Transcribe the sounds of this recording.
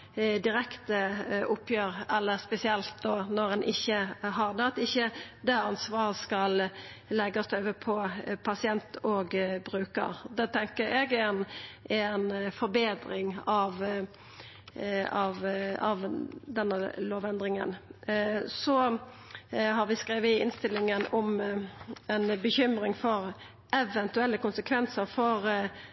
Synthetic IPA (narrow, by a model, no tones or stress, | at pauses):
d̪ɪɾɛkt̪əʔʊpːjøːɾɛlːəspɛsɪɛlt̪̚d̪oːnɔɾɛnʔɪçːəɦɑʁd̪ɛɑt̪ɪçːəd̪æɑnsʋɑːʁəskɑl | lɛɡɑst̪œʏʋəpʰɔpʰɑsɪɛnt̪ʰoːɡbɾʉːkə̰ʁd̪ɛːt̪ʰɛŋkəɾɛɡɛnɛnfɔɾbeːd̪ɾɪŋɑʋ | ɑʋɑʋd̪ɛnːəloːʋɛnd̪ʁɪŋə̰n | sɔ | ɦɑɾʋɪskʁeːʋəɪɪnst̪ɪlːɪŋənɔm | ɛnbəçʏmɾɪŋfɔɾ | ɛʋɛnt̪ʉɛlːəkʊnsəkʰʋɛnsəɾfɔʁ